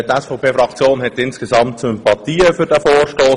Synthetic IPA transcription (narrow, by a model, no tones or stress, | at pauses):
tɛsfɔʊpʰeːfɾɑkt͡sjoːnɦɛtɪnsɡ̥ezɑmt̚t͡suɛmpɑt̪iːəfʏɾd̥æfoːɾʃtoː